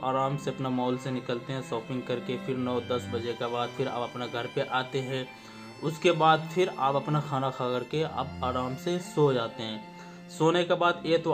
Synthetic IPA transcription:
aːɾaːmseɐpnamɔːlsenɪkəlt̪eɦɛ̃sɔːpɪ̃ŋɡ̚kɐɾkepʰɪɾnɔːd̪ɐsbɐd͡ʒekabaːd̪fʰɪɾa̰ːpɐpnaɡʱɐɾpeʔaːt̪eɦɛ̃ | ʊskebaːd̪fʰɪɾa̰ːpɐpnaxʰaːnakʰakɐɾkeɐ̰baːɾaːmsesoːd͡ʒaːt̪eɦɛ̃ː | soːnekebaːd̪eːt̪o

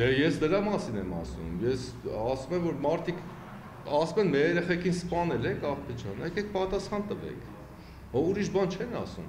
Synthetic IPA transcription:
ɛjɛsd̪əɾɑmɑsinɛmɑ̰sṵmjɛsɑsumɛmvɔɾmɑɾt̪ʰikʰ | ɑsumɛnmɛɛɾɛχɛkʰinspɑnɛlɛkʰɑʁt̪ʰɛd͡ʒʰɑ̰nːəɛkɛk̚ʰpɑt̪ɑsχɑnt̪əvɛ̰kʰ | ɔuɾiʃbɑnt͡ʃʰɛnɑ̰sṵm

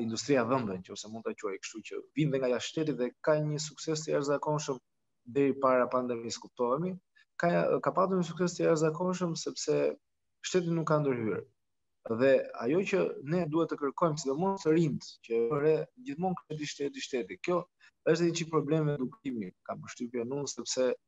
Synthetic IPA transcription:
ind̪ust̪ɾiaðənd̪ɛncəɔsɛmund̪t̪at͡ɕuajkə̥ʃt̪ucə̰vind̪ɛŋɡajaʃt̪ɛt̪̬iðɛkaɲəs̬uksɛst̪əjaʃzakɔnʃəm | d̪ɛɾipaɾapand̪ɛmiskup̚t̪ɔɛmi | kakapat̪uɾɲəs̬uksɛst̪əjaʃzakɔnʃəmsɛpsɛ | ʃt̪ɛt̪̬inukːand̪əɾhyɾ | ðɛa̰jɔcənɛd̪uhɛt̪ːəkəɾkɔjmsid̪ɔmɔst̪əɾind̪cəɾɛd͡ʑiθmɔnkɾɛt̪̬iʃt̪ɛt̪iʃt̪ɛt̪ikjɔ | ɛʃt̪ɛt͡ʃipɾɔblɛmɛd̪ukɾimikampəʃt̪ypjɛnunsɛpsɛ

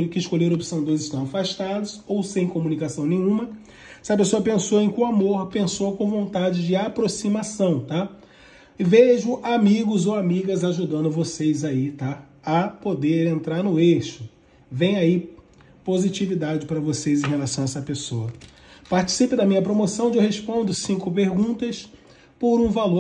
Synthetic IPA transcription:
ɾʊkɪɪʃkolʎeɾopi̥sɐ̃w̃d̪ojzɪʃt̪ɐ̃w̃afaʃt̪ad̪ʊsowsẽj̃komunikasɐ̃w̃nẽj̃ũmɐ | ɛsɪɐpesoɐpẽsowẽj̃kũamoɾpẽsowkõvõnt̪ad͡ʒɪd͡ʒɪapɾosimasɐ̃w̃t̪a | ɪveʒʊʔamiɡʊzowamiɡɐzaʒud̪ɐ̃nd̪ʊvosejzait̪a | ɐpod̪eɾẽnt̪ɾaɾnʊeʃʊ | vẽj̃ai | pozit͡ʃivid̪ad͡ʒɪpaɾɐvosezẽɦelasɐ̃w̃aɛsɐpesoɐ | paɾt͡ʃi̥sipɪd̪ɐmĩɲɐpɾomosɐ̃w̃d͡ʒewhespõnd̪ʊsĩŋkʊpeɾɡũt̪ɐs | poɾũvalo

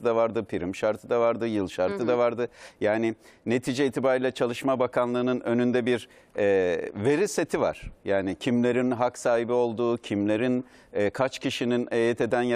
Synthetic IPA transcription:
ɯd̪avaɾd̪ɯpʰiɾimʃaɾt̪ʰɯd̪avaɾd̪ɯjɯlˠʃaɾt̪ʰɯd̪avaɾd̪ɯjaːnɪne̞t̪ʰiːd͡ʒɛiːt̪ʰibaːɾiːlʲɛt͡ʃʰalˠɯʃmabakʰanlˠɯːnɯnø̞nynd̪ɛbiɾ | ɛːve̞ɾise̞t̪ʰiva̰ɾ̥jaːnicʰimlʲe̞ɾinɦaksaːɦibio̞lˠd̪uːcʰimlʲe̞ɾin | ɛːkʰat͡ʃcʰiʃininejɛt̪ʰe̞d̪ænj

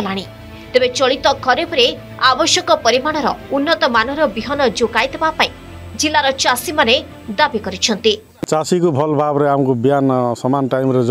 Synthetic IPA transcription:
laɽ̃i | t̪ebet͡ʃɔɭit̪ɔkʰɔɾebʰʱuɾe | abɔsjɔkɔpʌɾimaɽ̃ɔɾɔunːɔt̪ɔmanɔɾɔbiɦɔnɔd͡ʒokajt̪ɔbapaĩ | d͡ʒilːaɾɔt͡ʃasimane | d̪abikɔɾit͡ʃʰʌnt̪i | t͡ʃasikobʱʌlbʱabɾeɦamkobijansʌmanʈajmɾed͡z

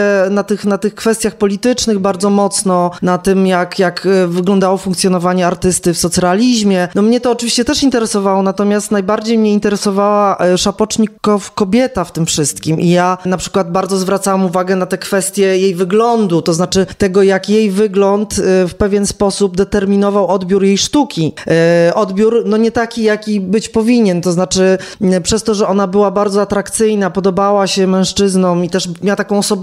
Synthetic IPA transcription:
ɛnat̪ɘxnat̪ɘxkfɛst̪ʲjaxpɔlʲit̪ɘt͡ʂnɘɣbaɾd̪zɔmɔt̪snɔnat̪ɘmjakjakvɘɡlɔnd̪awɔfuŋkt̪sjɔnɔvaɲɛaɾt̪ɘst̪ɘfsɔt̪salʲiʑmʲjɛnɔmɲɛt̪ɔːt͡ʂvʲiɕt͡ɕɛt̪ɛʂint̪ɛɾɛsɔvawɔnat̪ɔmʲjast̪najbaɾd͡ʑejmɲɛint̪ɛɾɛsɔvawaʂapɔt͡ʂɲikːɔfkɔbʲjɛt̪aft̪ɘmfʂɘst̪kʲimʔḭjanapʂɘ̥kwad̪̚baɾd̪zɔzvɾat̪sawamuvaɡɛnat̪ɛkfɛst̪ʲjɛjejvɘɡlɔnd̪ut̪ɔznat͡ʂɘt̪ɛɡɔjakjejvɘɡlɔnt̪fpɛvʲjɛnspɔsubd̪ɛt̪ɛɾmʲinɔvawɔd̪bʲjuɾjejʂt̪ukʲiʔɔd̪bʲjuɾnɔɲɛt̪akʲijakʲibɘt͡ɕpɔvʲiɲɛnt̪ɔznat͡ʂɘpʂɛst̪ɔʐɛʔɔnabɘwabaɾd̪zɔat̪ɾakt̪sɘjnapɔd̪ɔbawaɕɛmɛ̃ʂt͡ʂɘznɔmit̪ɛʂmʲawat̪akɔ̃w̃ɔsɔbɛ

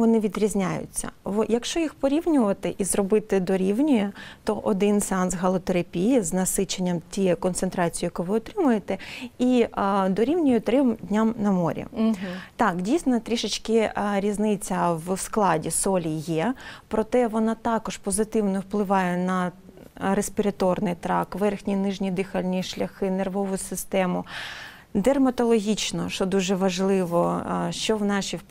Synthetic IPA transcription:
ʋɔnɪʋʲid̪ɾʲizʲnʲajʊ̰t͡sʲːɐ̰ʋɔjɐkʃt͡ʃɔjixpɔɾʲiwnʲʊʋɐt̪ɪʔizrɔbɪt̪ɪd̪ɔɾʲiwnʲɔjɛt̪ɔʔɔd̪ɪnsɛɑnsɦɐlˠɔt̪eɾɐpʲijiznɐsɪt͡ʃenʲːɐmtʲijɛkɔnt̪sent̪ɾɑt͡sʲijijɐkuʋɪɔt̪ɾɪmʊjet̪ɛid̪ɔɾʲiwnʲijɔt̪ɾɪmdʲnʲamnɐmɔ̰ɾʲḭt̪ɑkdʲijsnɔt̪ɾʲiʃɪt͡ʃkɪɾʲiznɪt͡sʲːɐwsklˠɑdʲisɔlʲijɛpɾɔt̪ɛʋɔnɑt̪ɑkɔʃpɔzɪt̪ɪwnɔwplˠɪʋɑjɛnɐ | ɾespʲɪɾɐt̪ɔrnɪjt̪ɾɑkʋɛrxnʲinɪʒnʲid̪ɪxɐlʲnʲiʃlʲɐxɪnerʋɔʋʊsɪst̪ɛmʊ | d̪ermɐt̪ɔlˠɔɦʲit͡ʃnɔʃɔd̪uʒɛʋɐʒlˠɪʋɔʃt͡ʃɔʋnɑʃʲi

